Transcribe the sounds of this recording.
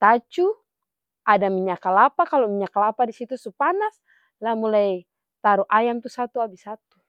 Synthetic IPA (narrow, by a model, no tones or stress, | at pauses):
t̪at͡ʃu | ʔadamiɲakalapakalɔmiɲakalapadisit̪usupanas | lahmulaj | t̪aɾuʔajamt̪usat̪uabisat̪u